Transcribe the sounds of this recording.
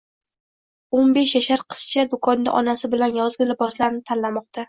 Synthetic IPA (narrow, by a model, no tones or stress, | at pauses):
onbe̞ʃjaʃaɾqʰɨ̥st͡ʃʰad̪ʊkʰɒnd̪a̰ʔɒnasɪbɪlanjɒzɡʲɪlɪbɒslaɾnɪt̪ʰanlamɒq̚t̪ʰa